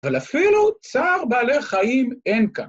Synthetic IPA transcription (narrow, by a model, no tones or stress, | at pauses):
valafilut͡saːʁbaːleχaime̞nka